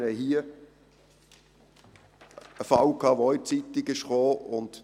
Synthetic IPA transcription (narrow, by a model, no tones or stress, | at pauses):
nɛɦiə | əfɑwkʰɑːʋoit͡sit̪ɪɡɪʃχoːʊnd̪̥